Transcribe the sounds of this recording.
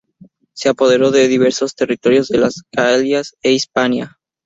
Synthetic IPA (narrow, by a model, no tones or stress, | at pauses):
se̞apo̞ðe̞ɾo̞ðeðiβ̞e̞ɾso̞st̪e̞rit̪o̞ɾjo̞zðe̞lasɡaljaseispanja